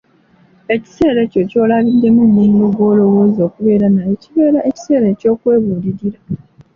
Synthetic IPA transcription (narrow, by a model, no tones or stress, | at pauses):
e̞ci̥se̞ːɾe̞co̞co̞ːlaβidːe̞munːumuloɡwo̞ːlo̞wo̞ːzio̞kuβe̞ːɾanajeciβe̞ːɾaʔe̞ci̥se̞ːɾeco̞ːkwe̞ːβuːliɾiɾa